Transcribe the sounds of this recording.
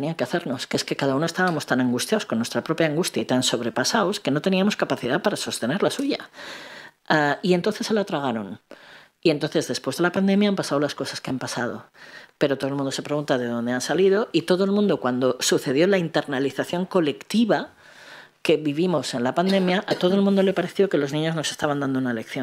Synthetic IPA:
niake̞aθe̞ɾnoskeeske̞kaðaunost̪aβamo̞st̪anãŋɡust̪jaosko̞nːwe̞st̪ɾapɾo̞pjaːŋɡust̪jait̪anso̞β̞ɾe̞pasaoske̞no̞t̪e̞niamo̞skapaθiðapaɾaso̞st̪e̞ne̞ɾlasuʝa̰ | aie̞nt̪onθe̞selat̪ɾaɣ̞aɾo̞n | ient̪o̞nθe̞zðe̞spwe̞zðe̞lapand̪ẽ̞mjaampasaðolasko̞saskeampasað̞o̞̰pe̞ɾot̪oelmũnd̪osepɾe̞ɣunt̪aðe̞ð̞o̞nd̪e̞ansaliðo̞ʔit̪o̞ð̞oelmũnd̪o̞kwand̪o̞suθe̞ð̞jo̞laint̪e̞ɾnaliθaθjo̞ŋko̞le̞kt̪iβa | ke̞βiβimose̞nlapand̪e̞mjaʔat̪o̞ð̞oelmũnd̪ole̞paɾe̞θjo̞ke̞loznĩɲo̞zno̞se̞st̪aβand̪and̪ounaele̞kθjo̞n

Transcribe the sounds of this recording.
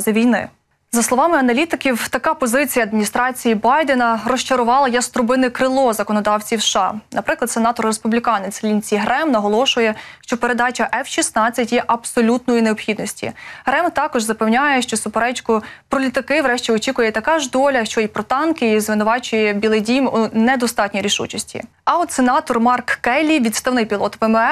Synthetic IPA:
zɐʋʲijnɪ̰ | zɐslˠɔʋɑmɪɐnɐlʲit̪ɪkʲiwt̪ɐkɑpɔzɪt͡sʲijɐːd̪̚mʲinʲist̪ɾɑt͡sʲijibɑjd̪enɐrɔʃt͡ʃɐɾʊʋɑlˠɐjɐst̪ɾʊbɪnɪkɾɪlˠɔzɐkɔnɔd̪ɑwt͡sʲiwsʃɑnɐpɾɪklˠɐd̪senɑt̪ɔrːespublʲikɑnet͡sʲlʲint͡sʲiɦɾɛmnɐɦɔlˠɔʃʊjɛʃt͡ʃɔpeɾe̞d̪ɑt͡ʃɐʔɛfʃʲisnɑt͡sʲːɐtʲjɛʔɐbsɔlʲut̪nɔjineɔpxʲid̪nɔsʲtʲḭɦɾɛmt̪ɑkɔʒzɐpewnʲajɛʃt͡ʃɔsʊpeɾɛt͡ʃkʊpɾɔlʲit̪ɐkɪʋɾɛʃt͡ʃʲiɔt͡ʃʲikʊjɛt̪ɐkɑʒd̪ɔlʲɐʃt͡ʃɔjipɾɔt̪ɑnkɪizʋɪnʊʋɑt͡ʃʊjɛbʲilˠedʲimunɛd̪ɔst̪ɑtʲnʲiɾʲiʃṵt͡ʃɐsʲtʲḭ | ɐɔt̪senɑt̪ɔrmɑrkːɛlʲiʋʲit̪st̪ɐwnɪjpʲilˠɔt̪ʋɛmɛ

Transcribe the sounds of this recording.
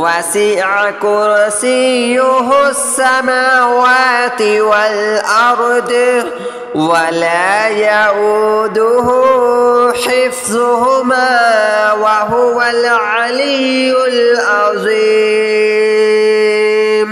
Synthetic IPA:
wasɪʕakʊɾsijːʊɦʊsːamaːwaːt̪ɪwalʔɑɾˤd̪ | walaːjaʔud̪ʊɦʊ | ħɪfzʊɦʊmaːwaɦʊwalʕalɪjʊlʔɑzˤi | m

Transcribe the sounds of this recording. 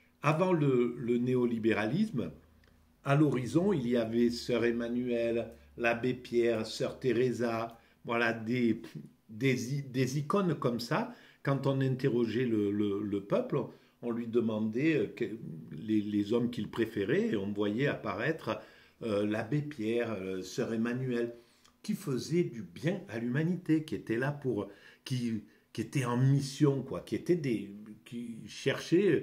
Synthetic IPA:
avɑ̃lələneɔlibeʁalism | alɔʁizɔ̃ilijavɛsœʁemanyɛlːabepjɛʁsœʁt̪eʁeza | vwalad̪e | d̪ezid̪ezikɔnkɔmsakɑ̃t̪ɔ̃nɛ̃t̪eʁɔʒɛlələləpœpl | ɔ̃lɥid̪əmɑ̃d̪ɛøkɛlelezɔmkʲilpχefeʁɛeɔ̃vwajɛapaʁɛt̪χə | ølabepjɛʁsœʁemanyɛl | kʲifəzɛd̪ybjɛ̃alymanit̪ekʲiet̪ɛlapuʁkʲi | kʲiet̪ɛɑ̃misjɔ̃kwakʲiet̪ɛd̪ekʲiʃɛʁʃɛ

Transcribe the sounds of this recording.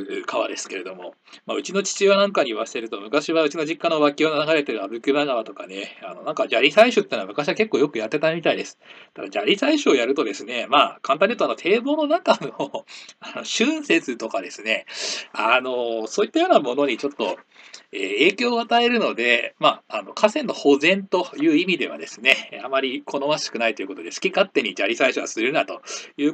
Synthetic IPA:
kʰaβa̰d̪e̞sɨ̥ke̞ɾe̞d̪o̞mo̞ | maɯ̟t͡ɕino̞t͡ɕi̥t͡ɕiβanãŋkaɲ̟iβasi̥teɾɯ̟t̪o̞mɯ̟kaɕiβaɯ̟t͡ɕiɡod͡ʑikːanoβakʲiononaɡaɾe̞t̪eɾɯ̟abɯ̟kɯ̟naɡaβat̪o̞ka̰ne̞ano̞nãŋkad͡ʑaɾʲisaiɕɨt̪ːeːnoamɯ̟kaɕiβake̞kːoːjo̞kɯ̟jat̪ːe̞t̪amʲit̪aid̪e̞sɨ̥t̪ad̪ad͡ʑaɾʲisaiɕɨojaɾɯ̟t̪o̞d̪e̞sɨne̞maːkʰãn̬ãɲ̟ʲiɯt̪oano̞t̪ʰe̞ːbo̞ːno̞naŋkanoano̞ɕɨ̃ɰ̃se̞t͡sɨt̪o̞kad̪e̞sɨne̞ano̞so̞ːit̪ːajo̞ːnamo̞no̞ɲ̟it͡ɕot̪ːo̞̰eːe̞ːkʲo̞ːat̪ae̞ɾɯ̟no̞d̪e̞maːno̞kʰasẽ̞nːo̞ho̞zẽ̞nt̪o̞jɯ̟ːimʲid̪e̞βa̰d̪e̞sɨne̞amaɾʲikʰo̞no̞βaɕi̥kɯnait̪oiɯ̟ko̞t̪o̞d̪e̞sɨ̥kʲikat̪ːe̞ɲ̟id͡ʑaɾʲisaiɕɨβa̰sɨɾɯ̟nat̪o̞jɯ̟ː

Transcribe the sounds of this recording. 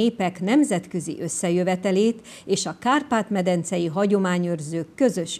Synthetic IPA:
eːpɛknɛmzɛt̪kø̞zḭʔø̞sːɛjøvɛt̪ɛleːt̪ | eːʃɒkaːrpaːt̪mɛd̪ɛnt̪sɛjiɦɒɟo̞maːɲørzøːkːø̞zø̞ʃ

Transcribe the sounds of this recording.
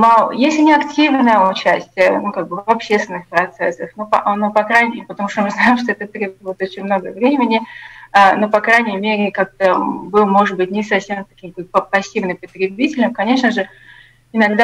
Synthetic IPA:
majesʲlʲɪnʲɪɐktʲivnəjəʊt͡ɕæsʲtʲɪjənukaɡ̚bɨvɐpɕːest̪vʲɪnːɨxpɾɐt̪sɛsːəxnopɐ̰nopɐkɾajʲpət̪ɐmuʂt̪omɨznajɪmʂt̪oɛt̪ət̪ɾʲebbvəɪt̪o̞t͡ɕɪnʲmno̞ɡəvɾʲemʲɪnʲɪanopɐkɾajnʲɪmʲeɾʲɪkak̚t̪əbɨlˠmo̞ʐɨt̪̚bɨtʲnʲɪsɐfsʲe̞mt̪ɐkʲimkopəpɐsʲːivnɨmpət̪ʲɾʲɪbʲitʲɪlʲɪmkɐnʲe̞ʂnəʐɨ | ɪnɐɡd̪a

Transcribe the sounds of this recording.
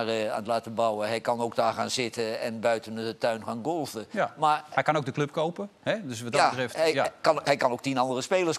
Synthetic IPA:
ra̰nətlaːtəbɑwəɦɛjkɑnowk̚daːɹχaːnzɪtʰəɛnbœɥtənətœɥnχaːnɡolˠvəmaɹɛjkɑnowɡ̚dəklɵp̚kowpəɦɛdøsʋɔatrɛftkɑnɦɛjkɑnowk̚tinɑndərəspeːlˠərs

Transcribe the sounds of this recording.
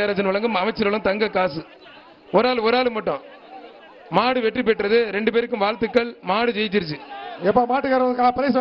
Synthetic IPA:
aːɾɐd͡ʒɐnʋɐɭɐŋɡɯmɐʋɐɪt͡ʃːɐɾɐɭɯmt̪ɐŋɡɐkːaːsɯ | ɔɾaːlɯɔɾaːlɯmːɐʈːʊ̃ː | maːɽɯʋɛʈrip̬ɛʈːɾɐðɯɾɛɳɖɯpeːɾɯkːɯmʋaːɻt̪ːɯkːɐɭmaːɽɯd͡ʒɛjt͡ʃːɪɾd͡ʒiɛpːoːmaːʈːɯkaːɾɐɐðkɐpɐɾɐs

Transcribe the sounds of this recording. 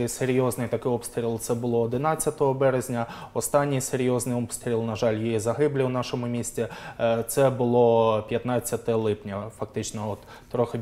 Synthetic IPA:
ɪseɾʲjɔznɪjt̪ɐkɪɔpst̪ɾʲilˠt̪sɛbʊlˠɔɔd̪ɪnɑt͡sʲːɐt̪ɔɦɔbɛɾezʲnʲɐɔst̪ɑnʲːijseɾʲjɔznɪjɔpst̪ɾʲilˠnɐʒɑlʲjijizɐɦɪblʲiwnɑʃɔmʊmʲisʲtʲit̪sɛbʊlˠɔpʲjɐt̪nɑt͡sʲːɐt̪ɛlˠɪpnʲɐfɐk̚t̪ɪt͡ʃnɔɔt̪ːɾɔxɪ

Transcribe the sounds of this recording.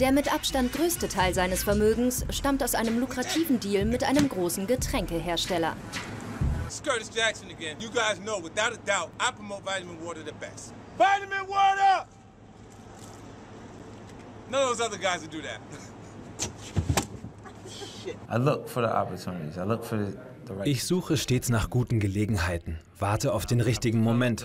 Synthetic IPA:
d̥eːɐmɪtʔapʃtant̚ɡ̥ʁøːstətʰaɪlzaɪnəsfɛɐmøːɡŋ̩sʃtamtaʊsʔaɪnəmlukʁ̥atʰiːvn̩diːlmɪtʔa̰ɪnəmɡʁoːsn̩ɡətʁ̥ɛŋkəɦeːɐʃtɛlɐ̰ | skɜ˞ɾɨstɹ̥ækʃɨ̃nɨɡɛ̃njɨɡaɪznoʊwɨθaʊɾɨdaʊt̚aɪpʰɹ̥əmoʊtvaɪɾɨmɨ̃nwɔɾə˞ðɨbɛ̰st | vaɪɾɨmɪ̃nwɔɾə˞ | nonoʊzʌðəɡaɪzɨdɨðæ̰t̚ | ʔaɪlʊkfə˞ðḭʔɑ̰pə˞tʰunɨɾḭzaɪlʊkfə˞ð | ðəɹaʔɪçz̥uːxəʃteːsnaːχɡ̥uːtn̩ɡəleːɡŋ̩ɦaɪtn̩ | v̥aɐtəaʊfd̥eːnʁɪçtɪɡŋ̩momɛnt

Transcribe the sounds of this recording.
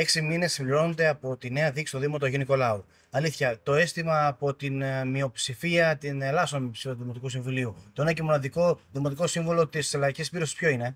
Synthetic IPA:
e̞ksimine̞sːimbliɾo̞nod̪e̞ɐpo̞t̪ine̞ɐðiksi̥toðimo̞t̪oʝiniko̞lɐo | ɐliθçɐt̪o̞e̞st̪imɐːpo̞t̪inmio̞psifiɐt̪inelɐsomipsioðimot̪ikusiɱvuliut̪oinɐcemonɐðiko̞ðimo̞t̪̬iko̞siɱvolo̞t̪iselɐɾicispiɾo̞sispço̞ine̞

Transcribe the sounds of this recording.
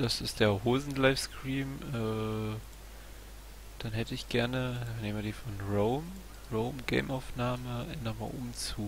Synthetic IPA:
d̥asɪstd̥eːɐhoːzn̩laɪfskʁ̥iːmʔɛː | d̥anɦɛtəɪçɡ̥ɛɐnəneːmədiːfɔnʁoʊm | ʁoʊmɡeɪmʔaʊfnaːməʔɛnɔma̰ːʔʊ̰bm̩t͡suː

